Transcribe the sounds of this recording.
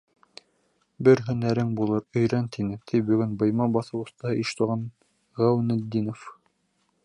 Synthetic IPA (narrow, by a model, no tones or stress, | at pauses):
bɘɾɦɵ̆næɾɘŋbulˠɤɾɵ̆jɾænt̪ʰinɘt̪ʰijbɵ̆ɡɵnbɤ̆jmɑbɑθɤ̆wɤ̆st̪ɑ̆hɤʔiʃt̪ŏʁɑn | ʁæwnæ̆d̪ːinof